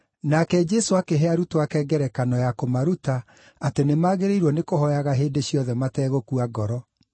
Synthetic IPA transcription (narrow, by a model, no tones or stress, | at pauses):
nakɛd͡ʒɛsoakeɦeaɾutoakɛːɡɛɾɛkanɔjakomaɾuta | atenemaːɣeɾeiɾwɔnekohɔjaɣaɦeːdeɕjɔðɛmatɛːɣokuaɡɔɾɔ